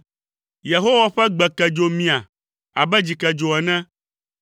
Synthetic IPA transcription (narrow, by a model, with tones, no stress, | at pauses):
je˨ɦo˦wa˨ɸɛ˦ɡ͡bɛ˨kɛ˨d͡ʒo˦mĩ˦a˨ | a̰˨bɛ˦d͡ʑi˨kɛ˨d͡ʒo˨ɛ˨nɛ̃˦